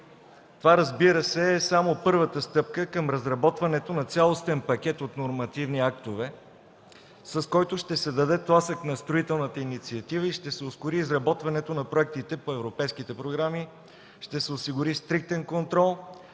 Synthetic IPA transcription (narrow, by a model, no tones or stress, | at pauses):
t̪ovaɾəzbiɾəsɛːsamopɤɾvət̪əst̪ɤp̚kəkəmɾɐzɾɐbɔt̪vɐnɛt̪onɐt̪sʲjalˠost̪ɛnpɐk̟ʲɛt̪ot̪noɾmɐt̪ivniakt̪ovɛ | sɐskɔjt̪ʊʃt̪ɛsɛd̪ɐd̪ɛt̪lˠasəknɐst̪ɾoit̪ɛlˠnət̪əinit̪siɐt̪ivəiʃt̪ɛsɛʊskʊɾiːzɾɐbɔt̪vɐnɛt̪onɐpɾoɛk̚t̪it̪ɛpoɛvɾopɛjsk̟it̪ɛpɾoɡɾami | ʃt̪ɛsɛosiɡʊɾist̪ɾik̚t̪ɛnkont̪ɾɔlˠ